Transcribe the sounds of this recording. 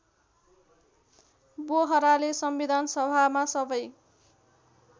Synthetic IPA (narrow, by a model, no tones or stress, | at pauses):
boɦʌɾalesʌmbid̪ʱansʌbʱamasʌbʌj